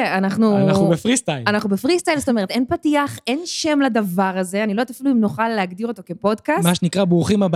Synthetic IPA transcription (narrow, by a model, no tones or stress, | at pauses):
anaχnuubefʁistalanaχnubefʁist̪ajlzot̪o̞meet̪e̞npatiaχʔe̞nʃe̞mlad̪avaʁaze̞anilod̪tafiluimnoχalːeaɡdiʁo̞t̪o̞ke̞po̞dkasmaʃenikʁabʁuχimab